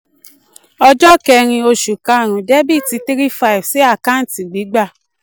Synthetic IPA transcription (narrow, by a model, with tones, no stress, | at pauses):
ɔ˧d͡ʒɔ˦kɛ˧ɾ̃ĩ˧o˧ʃu˨ka˨˧a˨ɾ̃ũ˨dɛ˦bi˦˨ti˧˦ti˦ɾi˦fa˦i˨vsi˨˦a˦˨ka˦n̩˨ti˨ɡ͡bi˨˦ɡ͡ba˦˨